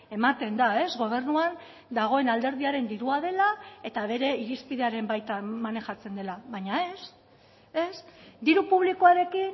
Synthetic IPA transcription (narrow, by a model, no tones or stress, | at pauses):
e̞mat̪e̞nd̪ae̞zɣo̞β̞e̞rnuan | d̪aɣ̞o̞enald̪e̞ɾðiaɾe̞nd̪iɾuað̞e̞lae̞t̪aβ̞e̞ɾe̞iɾispiðe̞aɾe̞mbajt̪amane̞xat͡se̞nd̪e̞laβajɲae̞s | e̞sd̪iɾupuβ̞liko̞aɾe̞kin